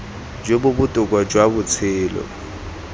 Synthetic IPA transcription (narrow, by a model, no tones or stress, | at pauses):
d͡ʒobʊbʊtʼʊkʼwad͡ʒwabʊt͡sʰɪːlɔ̰